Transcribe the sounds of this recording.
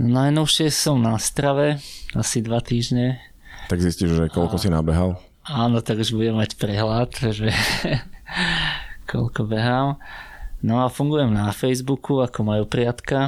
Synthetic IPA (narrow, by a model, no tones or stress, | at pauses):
najnɔʊʃɪɛsɔmnast̪ɾaʋɛasid̪ʋat̪iːʒɲɛ | t̪aɡzisciʒʒɛkɔlkkɔsinabɛɦal | aːnɔt̪aɡuʒbuɟɛmːacpɾɛɦlat̪ʒɛ | kʰɔ̰lkɔbɛɦaːm | nɔafuŋɡujɛmnafɛjzbukuakɔmajupɾɪat̪ka